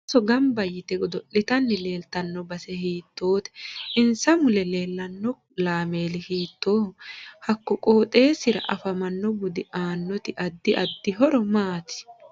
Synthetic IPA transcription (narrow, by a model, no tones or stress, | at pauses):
sɔɡɐmbɐjːɪt̪ɛɡɔd̪ɔʔɪt̪ɐnːɪle̞ːlt̪ɐnːɔbɐsɛhiːt̪ːo̞ːt̪ɛ̥ʔɪnsɐmʊlɛle̞ːlːɐnːɔ | laːme̞ːlɪhiːt̪ːoːhɐkːɔkʼoːt̪ʼe̞ːsɪɾɐ̰ʔɐfɐmɐnːɔbʊd̪ɪʔaːnːɔt̪ɪʔɐd̪ːɪʔɐd̪ːɪɦɔɾɔmaːt̪ɪ̥